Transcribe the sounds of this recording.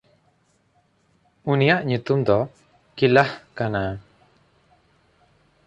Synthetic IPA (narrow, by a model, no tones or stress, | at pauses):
unijaʔɲut̪umd̪ɔ | kilahkana